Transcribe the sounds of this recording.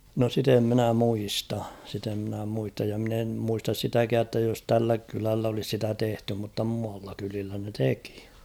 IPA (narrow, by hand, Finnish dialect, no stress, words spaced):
no sit em minæ muistɑ sit em mĭnæ muistɑj jɑ mɪ̆n em muistɑs sitækæː tːæ jos tælːæ kylælː olis sitæ tehty mutːɑ muɑlːɑ kylilːæ ne teki